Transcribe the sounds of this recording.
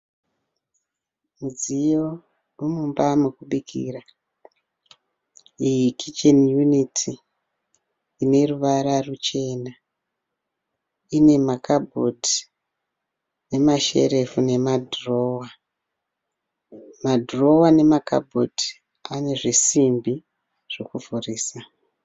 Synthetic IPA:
mud͡zijo | rumumbamukuɓikʰḭra | ijikʰit͡ʃenjunitʰi | ne̞ruʋaɾarut͡ʃe̞na | ine̞makabʱodi | ne̞maʃe̞̰ɾe̞fune̞madʱro̞wa | madʱro̞wane̞makʰa̰bʱodi | ane̞ʐisimbi | ʐ̥okuvʱuriːsa

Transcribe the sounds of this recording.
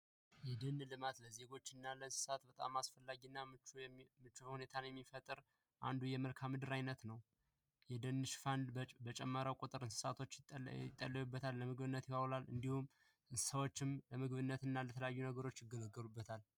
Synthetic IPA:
jɛd̪ɨnlɨmat̪ləze̞ɡo̞t͡ʃːɨnːalənsɨ̥sat̪bət̪ʼa̰masfəlːaɡinːaɨt͡ʃmɨt͡ʃːuhune̞t̪ʰanjɛmːifət̪ʼɨɾ | ʔa̰nd̪ujɛməlkʰamːɨd̪ɨɾajnət̪nəw | jɛd̪ɨnːɨʃfand̪bət͡ʃʼɛmːəɾawkʼut̪ʼɨɾɨnsɨ̥sat̪ʰo̞t͡ʃːɪt̪ʼːəlːəjubːət̪ʰalːəmɨɡβɨnːət̪jɪkawlalɨ̰nd̪ihum | ʔɨnssəwot͡ʃːɪmləmɨɡβɨnːət̪ɨnːalət̪ʰələjajːunəɡəɾo̞t͡ʃːjɪɡələɡːəlubːət̪ʰal

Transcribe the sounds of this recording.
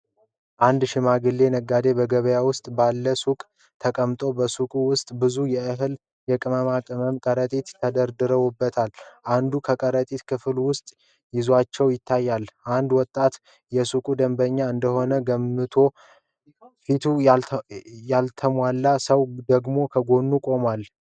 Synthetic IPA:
ʔand̪ʃɪmaɡɨlːe̞nəɡːad̪e̞bəɡəβəjawʊst̪ʼbalːəsukʼ | t̪ʰəkʼəmt̪ʼo̞bəsukʼuwʊst̪ʼbɨzujɛʔɨɦɨl | jɛkʼɨməmakʼɨməmkʼəɾət̪ʼit̪t̪ʰːəd̪əɾd̪ɨɾəwubːət̪ʰalʔand̪ukʰəkʼəɾət̪ʼit̪kʰɨfɨlwʊst̪ʼ | jɪzuat͡ʃːɛwjɪt̪ʰːajːalʔand̪wɔt̪ʼːat̪ | jɛsukʼud̪əmbəɲːaɨnd̪əho̞nəɡəmːɨt̪ʰo̞ | fit̪ʰu | jalt̪ʰəmwalːasəwd̪əɡmo̞kʰəɡo̞nːukʼo̞mal

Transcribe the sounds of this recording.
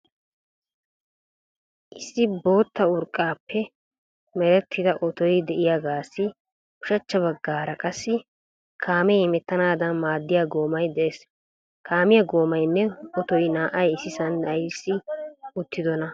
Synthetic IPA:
ʔɪsːɪbo̞ːt̪ːɐʊɾkʼːaːpːɛ | mɛɾɛt̪ʰːɪd̪ɐʔɔt̪ɔjd̪ɛʔɪjaɡaːsːɪ | ʊʃɐt͡ʃːɐβɐɡːaːɾɐkʼɐsːɪ | kʰaːmɛɪmɛt̪ːɐnaːd̪ɐnmaːd̪ːɪjaɡo̞ːmɐjd̪ɛʔes | kʰaːmɪjɐɡo̞ːmɐjnːɛɔt̪ɔjnaːʔɐjɪsɪsɐnd̪ɐjsːɪʊt̪ːɪd̪ɔnɐ

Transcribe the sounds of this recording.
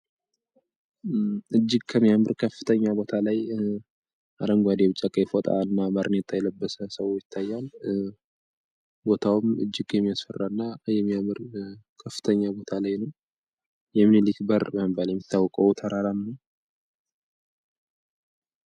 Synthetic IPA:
ʔɨd͡ʒːɪɡkʰəmːijamɨɾkʰəfːɨ̥t̪ʰəɲːabo̞t̪ʰalaj | ʔa̰d̪əŋɡʷad̪eβɨt͡ʃʼːakʼəjfot̪ʼa̰ɨnːabəɾnet̪ʼajɛləbːəsəsəwjɪt̪ʰːajːal | bo̞t̪ʰawʊmɨ̰d͡ʒːɪɡjɛmːijasfərːaɨnːajɛmːijamɨɾkʰəfːɨ̥t̪ʰəɲːabo̞t̪ʰalajnəw | jɛmːnelikbəɾbəməbaljɛmːit̪ʰːawːɔkʼəwt̪ʰəɾaɾamːə

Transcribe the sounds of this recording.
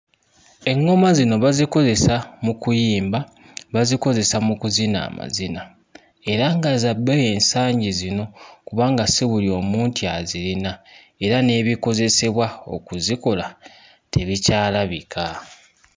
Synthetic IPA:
e̞ŋːo̞mazino̞βaziko̞ze̞samukujiːmba | βaziko̞ze̞samukuzina̰ːma̰zina | e̞ɾaŋɡazabːeje̞ːnsaːɲɟizino̞kuβaːŋɡaseβulio̞ːmuːntiazilina | e̞ɾane̞ːβiko̞ze̞se̞βwao̰kuziko̞la | tʰe̞βicaːlaβikʰa

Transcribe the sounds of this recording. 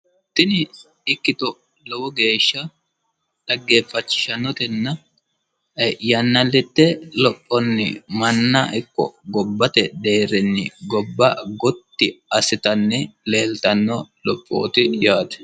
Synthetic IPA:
t̪ɪnɪ | ɪkːɪt̪ɔ | lɔwɔɡe̞ːʃːɐ | d̪̥ɐɡːe̞ːfːɐt͡ʃːɪ̥ʃɐnːɔt̪ɛnːɐ | jɐnːɐlːɪt̪ːɛlɔpʼːɔnːɪ̰mɐnːɐʔɪkːɔ̰ɡɔbːɐt̪ɛd̪e̞ːɾɛnːɪ̰ɡɔbːɐɡɔt̪ːɪɐsɪt̪ɐnːɛle̞ːlt̪ɐnːɔlɔpʼːo̰ːt̪ɪjaːt̪ɛ̥

